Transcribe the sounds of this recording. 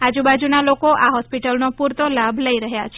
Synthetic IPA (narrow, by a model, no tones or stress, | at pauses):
ad͡ʒubad͡ʒunalokoʔaɦɔspiʈəlnopuɾt̪olabʱləiɾəɦjat͡ʃʰe